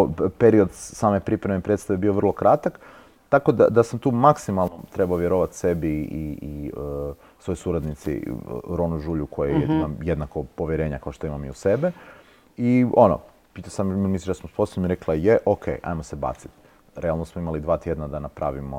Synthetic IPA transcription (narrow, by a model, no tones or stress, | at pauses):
peɾio̞d̪saːmepɾipɾemepɾed̪t̪st̪aʋebio̞ʋr̩lˠo̞kɾat̪ak | t̪ako̞d̪a̰d̪asamt̪uːmaksimalˠnot̪ɾebaoʋjeɾoʋat̪se̞biii | sʋo̞jsuɾad̪nit̪sḭɾonuʒuːʎukʰo̞jejeimajed̪nakopoʋjeɾe̞ːɲakaoʃt̪oimamḭuse̞be | iono̰ | pit̪asamimisit͡ʃd̪asmusposonomiɾeklˠajeʔokʰḛːʔa̰jmose̞ba̰ːt̪si̥t̪ | ɾealˠnosmoimalid̪ʋaːt̪je̞d̪nad̪anapɾaʋimo̰